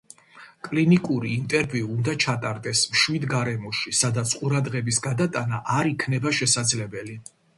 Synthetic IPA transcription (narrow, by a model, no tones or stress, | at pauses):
kʼlinikʼuɾiːnt̪ʼɛɾviuːnd̪at͡ʃʰat̪ʼaɾd̪ɛsmʃwid̪ɡaɾɛmɔʃisad̪at̪sʰqʼuɾad̪ʁɛbisɡad̪at̪ʼanaʔaɾikʰnɛbaʃɛsad̪zlɛbɛli